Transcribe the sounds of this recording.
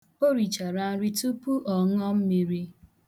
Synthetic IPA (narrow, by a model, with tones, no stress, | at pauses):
o˦ɾi˨t͡ʃa˨ɾa˦n̩˦ɾi˦tu˦pu˦ʔɔ˨ŋɔ˦m̩˦mi˨ɾi˦